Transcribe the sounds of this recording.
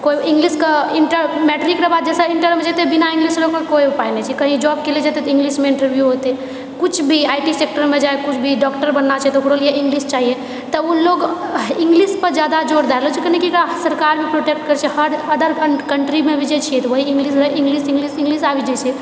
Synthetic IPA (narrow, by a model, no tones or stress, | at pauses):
koiĩŋɡliskəiɳʈəɾmɛʈəɾikɾebad̪̚d͡ʒɛsəiɳʈəɾmed͡ʒɛt̪ebinaĩŋɡlisɾəkokoipajnɛt͡ʃʰɛkəɦĩd͡ʒɔbkelid͡ʒet̪et̪ĩŋɡlismeĩɳʈəɾbʱjuɦot̪e | kut͡ʃʰbʱiajʈisek̚ʈəɾmed͡ʒaekut͡ʃʰbʱiɖɔkʈəɾbənːat͡ʃʰɛet̪ɔukɽolijeĩŋɡlist͡ʃaɦije | t̪əuloɡiŋɡlispəɾd͡ʒjad̪ad͡ʒoɾd̪aɾelot͡ʃʰikənekiekɽasəɾkaɾbʱipɾoʈekʈkəɾt͡ʃʰɛhəɾəd̪əɾkəɳʈɾimebid͡ʒɛt͡ʃʰijɛt̪ɔʋəɦiĩŋɡlisɾəĩŋɡlisĩŋɡlisĩŋɡlisabid͡ʒɛt͡ʃʰɛ